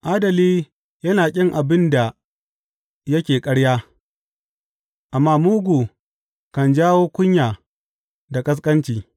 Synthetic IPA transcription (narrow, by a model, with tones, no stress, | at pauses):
ʔaː˦dɐ˨liː˦ | jɐ˦naː˨kʲʼɪ˦ŋʔa˨bɪ˦nda˨ | jɐ˦kʲeː˨kʼɐ˦ɽjaː˦ | ʔa˨mːaː˦muː˦ɡʷu˨ | kɐ˨nd͡ʒaː˦woː˦kʷʊ˦ɲjaː˨ | da˨kʼɐ˦s̬kʼɐ˦nt͡ʃiː˨